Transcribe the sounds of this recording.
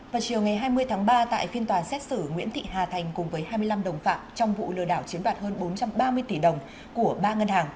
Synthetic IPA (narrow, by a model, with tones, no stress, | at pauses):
vaː˨˩wt͡ɕi˨˩əwŋa˨˩jɦaː˧jmɨ˧əjt̪ʰaː˨˦ŋɓaː˧t̪a̰ː˧˨jfi˧ənt̪waː˨˩sɛ˦˥t̚sɨ˧˩ŋwḭ˧˥nt̪ʰḭ˧˨haː˨˩t̪ʰa˨˩jŋ̟kʊ˨˩ŋ͡mvəː˨˦jɦaː˧jmɨ˧əjla˧mɗə˨˩wŋ͡mfa̰ː˧˨˩mt͡ɕɔ˧wŋ͡mvṵ˧˨lɨ̰˨˩əɗaː˧˩wt͡ɕi˨˦nɗwaː˨˩t̚həː˧nɓo˨˦nt͡ɕa˧mɓaː˧mɨ˧əjt̪i˧˩ɗə˨˩wŋ͡m | ku˧˩əɓaː˧ŋə˧nhaː˨˩ŋ